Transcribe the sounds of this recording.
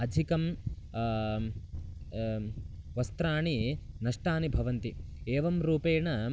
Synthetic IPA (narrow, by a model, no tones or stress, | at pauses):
ɐd̪ʱikɐm | ʋɐst̪ɾaːɳinɐʂʈaːnibʱɐʋɐnt̪ieːʋɐmɾuːpeːɳɐ